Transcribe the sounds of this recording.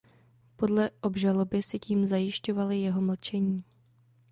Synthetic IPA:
po̞dlɛʔo̞bʒalo̞bɪsɪciːmzajɪʃco̞valɪjɛɦo̞ml̩t͡ʃɛɲiː

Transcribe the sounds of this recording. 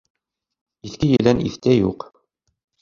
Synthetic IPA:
iθkɘjɘ̆læniθt̪æjuq

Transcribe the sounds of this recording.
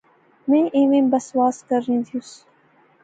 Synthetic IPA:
mẽːʔẽːʋẽːbəswaːskəɾːĩːt̪ʰiʊs

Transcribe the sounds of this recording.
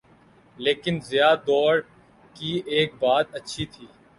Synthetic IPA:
leːkɪnzɪjad̪ɔːɾ | kieːk̚baːt̪ɐtːʃʰit̪ʰiː

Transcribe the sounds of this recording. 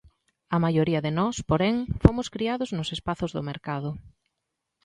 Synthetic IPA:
ɐmajoɾiɐðɪnɔspoɾɛŋfomʊskɾiaðʊznʊsespaθʊzðʊmeɾkaðʊ

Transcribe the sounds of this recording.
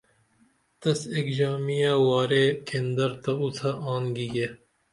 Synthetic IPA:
t̪ɐsekd͡ʒaːmijaːwaːɾeːkend̪ɐɾt̪ɐut̪ʰaʔaːnɡiːɡeː

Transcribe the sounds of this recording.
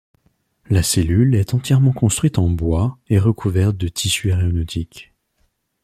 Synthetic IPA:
laselylɛt̪ɑ̃t̪jɛʁmɑ̃kɔ̃st̪χɥit̪ɑ̃bwaeʁəkʰuvɛʁt̪̚d̪ət̪ʰisyaʁeɔnɔt̪ʰik

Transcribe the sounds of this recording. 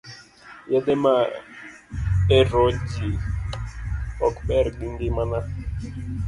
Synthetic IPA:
jadɛma | eɾɔd͡ʒi | ɔkɓɛɾɡ͡biŋɡɪmana

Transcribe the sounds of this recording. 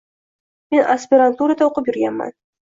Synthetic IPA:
menaspʲɪɾant̪uɾad̪aoqɤpjʏɾɡʲamːa̰n

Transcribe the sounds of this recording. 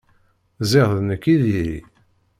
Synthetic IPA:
zɪʁðnəkːiðiɾḭ

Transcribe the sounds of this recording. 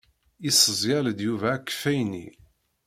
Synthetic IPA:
isˤəzˤjæləd̪juvæːkːfæjnḭ

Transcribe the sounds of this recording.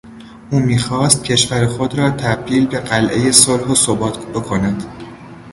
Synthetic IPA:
ʔuːmiːxɒːst̪̚cʰe̞ʃvæɾexod̪ɾɒːt̪ʰæbd̪iːlbe̞ɢælʔe̞je̞solhosobɒːt̪ʰb̥e̞kʰo̞næd̪̥

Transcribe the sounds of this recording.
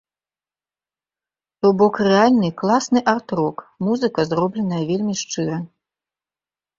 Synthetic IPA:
ubɔkrɛalʲnɨklˠasnɨʔart̪rɔkmuzɨkɐzrɔblʲɛnɐjɐvʲelʲmʲiʂt͡ʂɨɾɐ

